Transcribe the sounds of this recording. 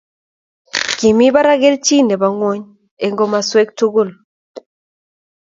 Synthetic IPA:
ki˨mi˦ba˦ɾa˦ɣe˦lt͡ʃi˦ne˨ba˨ŋwo˦ɲ | e˨ŋɡo˨ma˨swe˦k̚tu˦ɡu˦˨l

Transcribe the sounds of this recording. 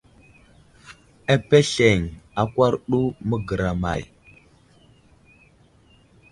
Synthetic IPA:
a˦pe˦ɬe˨ŋa˨kʷa˦ɾɗu˦mə˦ɡə˨ɾa˨ma̰˨j

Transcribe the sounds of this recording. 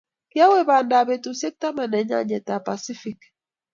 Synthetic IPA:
ki˦a˦we˦˨ba˨nda˨be˨tu˨se˦k̚ta˦ma˨nɛ˨˦ɲa̰˦ɲɛ˨ta˨pa˨si˦fi˨k

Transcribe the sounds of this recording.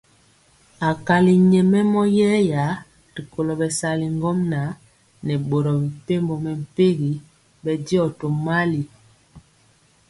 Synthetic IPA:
a˨ka˨li˨ɲɛ˨mɛ˦mɔ˦jɛː˦ja˨˦ | ɾi˨ko˨lɔ˨bɛ˨sa˨li˨ŋɡɔ˦mna˨˦ | nɛ˨ɓo˨ɾɔ˨bi˨pe˦mbo˨mɛ˨m̩˨pe˦ɡi˨˦ | ɓɛ˨di˦ɔ˨to˨ma˦li˨

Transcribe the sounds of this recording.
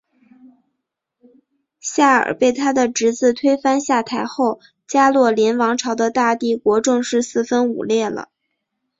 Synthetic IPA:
ɕja˥˩ə̰˞˨˩pe˥˩ɪt̪ʰa˥d̪ə˨ʈ͡ʂɻ̩˧˥t͡sɹ̩˥˩t̪ʰwe˥ɪfa˥nɕja˥˩t̪ʰa˧˥ɪxo˥˩ʊ | t͡ɕja˥lwɔ˥˩ljɛ˧˥nwɑ˧˥ŋʈ͡ʂʰɑ˧˥ʊd̪ə˧t̪a˥˧t̪i˥˩kwɔ˧˥ʈ͡ʂɤ˥˧ŋʂɻ̩˥˧sɹ̩˥˩fə˥nṵ˨˩ljɛ˥˩lə̰˩

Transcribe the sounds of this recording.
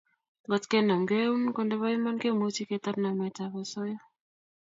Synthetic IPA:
ŋɡɔ˦tke˦na˨mɡe˦u˦nkɔ˦ndɛ˦βa˦i˦ma˦nke˦mo˨˦t͡ʃi˦ke˨ta˦pna˨mɛ˨ta˨βa˨sɔ˦jɔ˦

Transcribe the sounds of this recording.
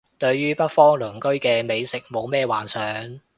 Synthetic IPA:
t̪ɵ˧ɥjyː˥pɐ˥t̚fɔː˥ŋlɵ˨˩ŋkɵ˥ɥkɛː˧me˨˧jsɪ˨k̚mo˨˧wmɛː˥˧waː˨˩nsœː˨ŋ

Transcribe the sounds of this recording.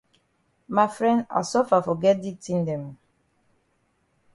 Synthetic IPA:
ma˨fɹɛ̃˦nda̰˨sɔ˦fa˨fɔ˨ɡɛ˦t̚di˦tĩ˦ndɛ̃˨m

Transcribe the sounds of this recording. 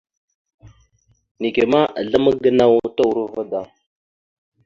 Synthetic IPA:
ni˨ke˨ma˦ʔa̰˨ɮa˦mə˦ɡə˦na˦wu˦ta˦wu˨ɾu˦va˦da˨

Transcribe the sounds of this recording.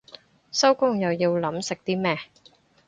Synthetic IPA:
sɐ˥wkʊ˥ŋjɐ˨˩wjiː˧wlɐ˨˥msɪ˨k̚t̪iː˥mɛː˥

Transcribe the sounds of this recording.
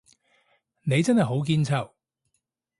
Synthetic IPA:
ne˨˧jt͡sɐ˥nhɐ˨˩jɦo˨˥wk̬iː˧nt͡sʰɐ˨˩w

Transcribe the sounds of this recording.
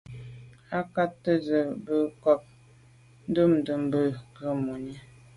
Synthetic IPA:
a˦ka˦tːə˦zə˨bə˦kɔ˦˨p̚ | n̩˦də˦˨m˨də˨m˨bə˦˨kə˦˨mo˨ɲi˦

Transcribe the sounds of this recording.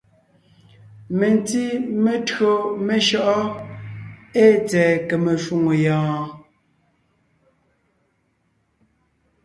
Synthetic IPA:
me˨n˨ti˦me˨tɰo˦me˨ʃɔ˦ʔɔ˦ | e˦t͡sɛː˨ke˨me˨ʃu˦˨ŋo˨jãː˨

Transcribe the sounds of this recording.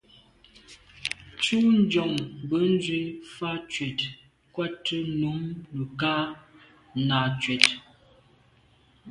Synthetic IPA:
t͡ʃu˦n̩˦d͡ʒɔ˨ŋbə˨˦n˦d͡ʒwe˦fa˦t͡ʃɥɛ˨t | kwa˦tʰə˦nu˨˦mlə˨kaː˦ | naː˨t͡ʃɥɛ˨t

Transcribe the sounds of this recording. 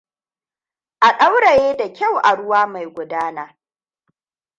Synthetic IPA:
ʔa˨ɗa˦wɽa˨jeː˦da˨kʲa˦˨wʔa˨ɽʊ˦waː˦ma˨jɡʷʊ˨˦daː˦naː˨

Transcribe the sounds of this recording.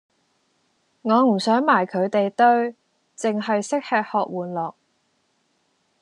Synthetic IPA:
ŋɔː˨˧m̩˨˩sœː˨˥ŋmaː˨˩jkʰɵ˨˧ɥt̪e˨jt̪ɵ˥ɥ | t͡sɪ˨ŋɦɐ˨jsɪ˥k̚haː˨˧t̚hɔː˨k̚wuː˨˩nlɔː˨k̚

